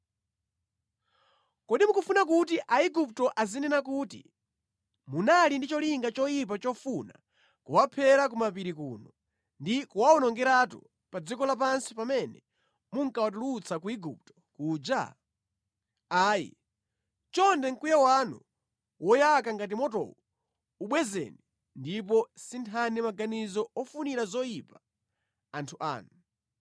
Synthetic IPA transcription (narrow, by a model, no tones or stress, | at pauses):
kɔɗimukufunak̬ut̬iʔaiɡup̚tɔʔazinɛnakuːtḭ | munalindit͡ʃɔliŋɡat͡ʃɔjip̬at͡ʃɔfuna̰ | kuwapʰɛɾak̬umapiɾikuːnɔ | ndikuwaɔnɔŋɡɛɾatṵ | pad͡zikɔlap̬ansipamɛnɛ̰ | muŋkawat̬ulut͡sakuiɡup̚tɔ̥kuːd͡ʒa̰ | aːjḭ | t͡ʃɔndɛŋ̩kujawanu | wɔjakaŋɡat̬imɔtɔ̰wu | uɓwɛzɛ̰ni | ndip̬ɔsintʰanimaɡanizɔɔfuniɾazɔjipa | antʰuʔa̰ːnu